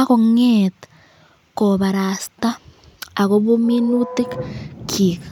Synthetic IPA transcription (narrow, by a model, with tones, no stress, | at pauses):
a˦ko˦ŋetḁ | koβa˨ɾa˨sta˦ | a˨ko˦βu˦mi˦nu˦ti˦kkʰika